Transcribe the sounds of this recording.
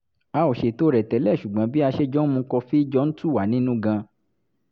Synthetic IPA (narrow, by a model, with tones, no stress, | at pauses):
a˧o˨ʃe˧˨to˦ɾɛ˨tɛ˨˦lɛ˦˨ʃu˨ɡ͡bã˨˦bi˦a˧ʃe˦d͡ʒɔ˦mũ˧˦kɔ˧fi˦i˦d͡ʒɔ˦n̩˦tu˦˨wa˨˦nĩ˦nũ˦ɡã˧